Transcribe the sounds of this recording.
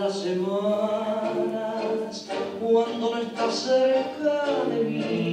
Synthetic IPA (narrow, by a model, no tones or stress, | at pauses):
lasema | na | kwand̪oest̪aseɾekaleβi